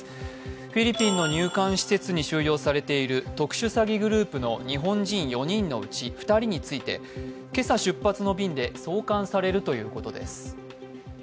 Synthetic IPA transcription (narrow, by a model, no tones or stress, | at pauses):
ɸʲiɾʲipʲːĩnːo̞ɲɨːkãɰ̃ɕi̥se̞t͡sɨɲ̟iɕɨːjo̞ːsaɾe̞t̪e̞iɾɯ̟t̪o̞kɯ̟̥ɕɨsaɡʲiɡɯ̟ɾɯ̟ːpɯ̟no̞̰ɲ̟iɦõ̞ɲd͡ʑĩɰ̃jo̞ɲ̟ĩnːo̞̰̟t͡ɕiɸɯ̟̥t̪aɾʲiɲ̟it͡sɨit̪e̞ | ke̞saɕɨpːat͡sɨno̞bʲĩnd̪e̞so̞ːkãɰ̃saɾe̞ɾɯ̟t̪o̞jɯ̟ːko̞t̪o̞d̪e̞̰sɨ̥